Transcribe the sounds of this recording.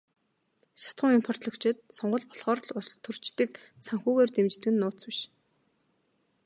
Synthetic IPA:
ʃḁt̪χʊ̆ŋimpʰɔrt̪ɮɞ̆kt͡ɕʰɪ̆t̪̚sɔɴɢɞ̆ɮpɔ̥ɮχɔːr̆ɮʊst̪ʰːɵr̥t͡ɕt̪ɘ̆k | saŋxuːɣeːrt̪emt͡ɕt̪ɘ̆ɡɘ̆nːʊːt͡swɪ̆ʃ

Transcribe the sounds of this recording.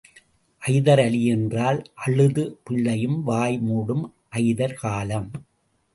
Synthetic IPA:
ʔɐɪðɐɾɐlɪjɛndraːlʔɐɭɯðɯpɪɭːɐjɯmʋaːjmuːɽɯm | ʔɐɪðɐɾkaːlɐm

